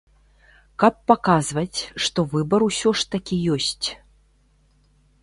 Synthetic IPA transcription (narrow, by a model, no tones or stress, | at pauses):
kɐpːakazvɐt͡sʲʂt̪ɔvɨbɐɾusʲɔʂt̪akʲijɔsʲt͡sʲ